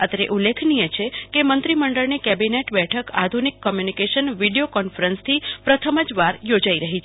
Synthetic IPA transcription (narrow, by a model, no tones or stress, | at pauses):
ət̪əɾḛʔulːekʰnijet͡ʃʰekemənt̪ɾiməɳɖəɭnikɛbineʈbɛʈʰəka̰d̪ʱunikːəmjunikeʃənʋiɖijokɔnfəɾənst̪ʰipɾət̪ʰəməd͡ʒʋaɾjod͡ʒaiɾəɦit͡ʃʰ